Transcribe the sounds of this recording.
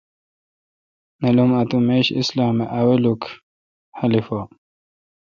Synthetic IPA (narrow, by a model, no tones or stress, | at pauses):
nɐlumɐt̪umeːɕḭslaːmeʔaweluk | hɐlifo